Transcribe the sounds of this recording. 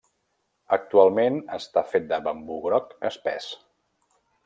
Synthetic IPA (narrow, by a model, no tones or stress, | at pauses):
ək̚t̪ualˠmenəst̪afet̪̚d̪əβəmbuɣɾɔkəspɛ̰s